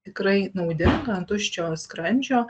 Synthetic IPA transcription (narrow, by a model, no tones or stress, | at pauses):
t̪ʲɪkɾɐɪnɐʊd̪ʲɪŋɡɐnt̪ʊʃʲt͡ʃʲoːskɾɐnʲd͡ʒʲoː